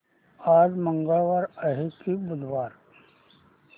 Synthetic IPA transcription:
aːd͡ʒmə̃ŋɡəlʋaːɾɐɦekibʊd̪ʱʋaːɾ

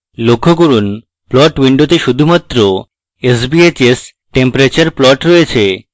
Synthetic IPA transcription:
lokʰːok̬oɾun | plɔʈwiɳɖot̪eʃud̪ʱumat̪ːɾo | esbiet͡ɕes | ʈempɾat͡ɕaɾplɔʈɾɔet͡ɕʰe

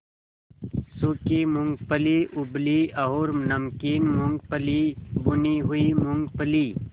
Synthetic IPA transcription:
sukimuŋɡpəliʔʊbliɐɦoːɾnɐmkiːnmuŋɡ̚pəlibuniɦuimʊŋɡpəliː

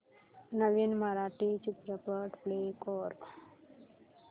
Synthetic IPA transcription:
nəʋinməɾaʈit͡ʃupɾəpəʈplekɔɾ

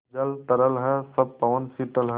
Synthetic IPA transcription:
d͡ʒɐlt̪ɐɾəlɦɛsɐb̚pɐʋənsiʈəlɦɛ

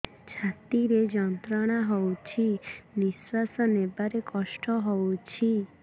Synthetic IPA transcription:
t͡ʃʰat̪iɾed͡ʒɔnt̪ɾɔɽ̃aɦɔwt͡ʃʰiniswasɔnebaɾekɔʃʈɔɦowt͡ʃʰi

